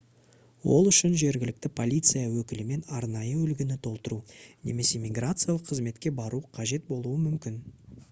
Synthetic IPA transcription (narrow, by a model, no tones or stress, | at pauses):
wo̞lˠʏʃɪnʒe̞ɾɡʲɪlɪk̚t̪ɪpʰo̞lʲijt̪sɨjawɵkʲɪlɪme̞nɑɾnɑjəʏlɡʲɪnɪt̪ʰo̞lˠt̪əɾune̞̰me̞se̞mʲiɡrat̪sɨjalˠəqʰːəzme̞t̪kʲe̞bɑɾuqʰɑʒe̞t̪̚bo̞lˠuəmʏmkʲɪn